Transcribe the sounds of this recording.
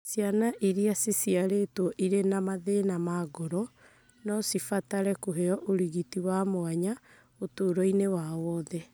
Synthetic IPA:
sjanaʔiɾiasisiaɾetwɔʔiɾenamaðenamaɡɔɾɔ | nɔsifataɾɛkoɦeɔʔoɾiɣitiwamoaɲa | otoːɾɔinewawɔðɛ

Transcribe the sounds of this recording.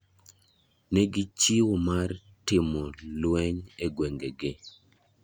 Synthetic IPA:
neɡɪt͡ʃiwomar | tɪmɔlwɛɲeɡwɛŋɡeɡɪ

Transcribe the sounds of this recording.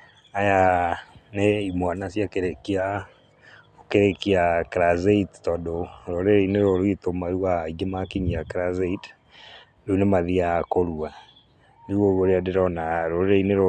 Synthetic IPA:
aja | neimwanasjakeɾekia | okeɾekiakɾazeittɔːndoɾoɾeɾeineɾoɾoitomaɾuaiɡemakiɲiakɾazeit | unemaðiakoɾua | niwowoɾeadeɾɔnaɾoɾeɾeineɾo

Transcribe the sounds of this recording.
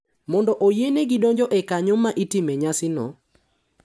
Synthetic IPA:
mɔndɔʔojeneɡɪdɔɲd͡ʒɔʔɛkaɲɔmaʔitɪmeɲasɪnɔ̰

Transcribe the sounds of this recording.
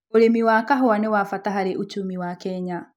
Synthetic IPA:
oɾemiwakaɦoanɛwafataɦaɾeʔut͡ʃumiwakɛɲa

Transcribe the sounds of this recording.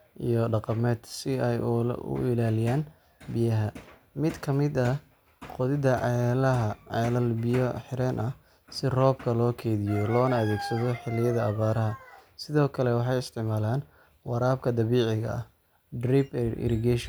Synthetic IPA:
ʔijɔɖɑqɑmɛːd̪sɪɛj̰ʊ̰ɪlaːlɪjaːn | bɪjɐɦɐ | mɪd̪kʰɐmɪd̪ɐ | qɔðɪðɐʕlɐɦɐʕɑlɐlbɪjɔħɪɾɛːnʔɐ | sɪrɔːb̚kʰɐlɔːkʰɛːðɪjɔlɔːnɐɐðɛːɡsɐðɔħɪlːɪjɐðɐːβaːɾɐɦɐsɪðɔːkʰɐlɛwɑħɑjɪst̪ʰɪʕmaːlaːn | wɑɾaːb̚kʰɐd̪ɐβiːʕɪɣɐ̰ɐ | driːbɪ̰ɾɪɡɛʃ

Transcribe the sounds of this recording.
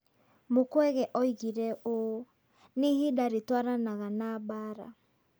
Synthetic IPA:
mokwɛɣɛʔɔiɣiɾɛo | nehedaɾetwaɾanaɣanabaɾa̰

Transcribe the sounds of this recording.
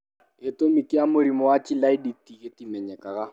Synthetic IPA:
ɪtomikʼiamʊɾimɔwat͡ʃʼilaiditiɣetimɛɲɛkʼaɣa

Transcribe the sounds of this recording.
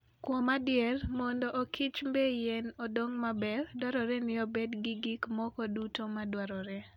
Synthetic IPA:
kwɔmadɪjɛrmɔndɔʔokʰit͡ʃmbejɛnodoŋmabɛɾdwaɾɔɾɛnɪobɛdɡɪɡɪkmɔkɔdutomadwaɾɔɾɛ

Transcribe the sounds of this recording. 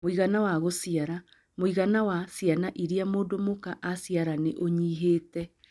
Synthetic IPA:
moiɣanawaɣosiaɾa | moiɣanawasjanaʔiɾiamoːdomokaʔasiaɾaneʔoɲiːɦeːtɛ

